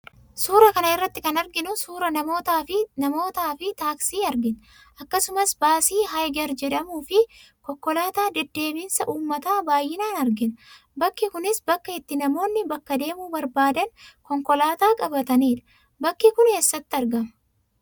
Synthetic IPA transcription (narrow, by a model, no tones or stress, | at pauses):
suːɾɐkɐnɐɪrːɐt̪ːɪkɐnɐɾɡɪnʊsuːɾɐnɐmo̞ːt̪aːfɪnɐmo̞ːt̪aːfɪt̪aːksiːɐɾɡɪn | ʔɐkːɐsʊmɐsbaːsiːɦɐjɡɐɾd͡ʒɛᶑɐmuːfɪkɔkːɔlaːt̪aːd̪ɛd̪ːe̞ːbiːnsɐʔuːmːɐt̪aːbaːjːɪnaːnɐɾɡɪn | bɐkːɪkʊnɪsbɐkːɐɛt̪ːɪnɐmo̞ːnːɪbɐkːɐd̪e̞ːmuːbɐɾbaːd̪ɐnkɔŋkɔlaːt̪aːkʼɐbɐt̪ɐniːᶑɐ̥ | bɐkːɪkʊnheːsːɐt̪ːɪɐɾɡɐmɐ